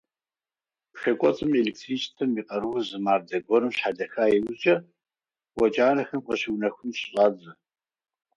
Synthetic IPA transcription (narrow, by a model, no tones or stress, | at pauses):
pxɐkʷʼɔt͡sʼɨmeliksʰit͡ʃʼtʰɐmiːqʼɐɾuwzɨmaːrdɐɡʷɔɾɨmɕħadɐxaːjɛwʊt͡ʃʼɐ | wʷɔt͡ʃʼaːɾɐxɐmqɔɕiwnɐxʷʊnɕɕʼaːd͡zɨ